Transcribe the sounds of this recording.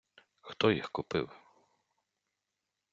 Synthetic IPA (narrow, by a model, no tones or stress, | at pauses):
xt̪ɔjixkʊpɪ̰w